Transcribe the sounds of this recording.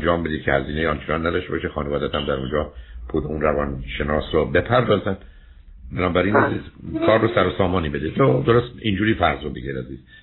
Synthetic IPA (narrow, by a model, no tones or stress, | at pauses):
nd͡ʒɒːmbe̞d̪iːd̪̚cʰḛhæziːnejeɒnt͡ʃʰenɒnːæd̪ɒʃt̪ebɒːʃexɒːnevɒːd̪æt̪ʰæmd̪æɾṵnd͡ʒɒːpʰuːd̪eunrævɒːnʃenɒːsɾɔbe̞pʰæɾd̪ɒːzæn | benɒːbæɾiːnæzizkʰɒːɾːosæɾosɒːmɒːniːbe̞d̪ed̪od̪oɾost̪ind͡ʒuːɾiːfæɾzɾod̪eɡeɾæziːz̥